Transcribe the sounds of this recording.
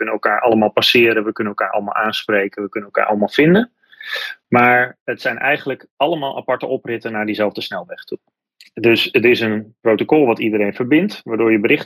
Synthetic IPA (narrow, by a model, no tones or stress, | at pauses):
kɵnənɛlˠkaːɹʔɑləmaːlˠpasɪːɾənʋəkɵnənɛlˠkaːɹʔɑ̰lˠəma̰lˠʔaːnsprejkənʋəkɵnənɛlˠka̰ːɹʔɑ̰lˠəmaːlˠv̥ɪndən | maːɹətsɛjnʔɛjχənləkʔɑləmaːlˠʔa̰pɑɹtəɔprɪtənaːɹdizɛlˠvdəsnɛlˠʋɛχtu | dɵsətɪsənprowtokɔlˠʋɑtidəɾejnfəɹbɪntʋaːdʊːɹjəbəɾɪχt